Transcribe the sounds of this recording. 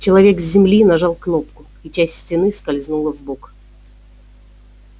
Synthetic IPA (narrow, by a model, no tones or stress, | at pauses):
t͡ɕɪlˠɐvʲekzʲzːʲɪmlʲinɐʐɑlˠknop̚kʊ | it͡ɕæsʲtʲsʲtʲɪnɨskɐlʲznulˠəvbok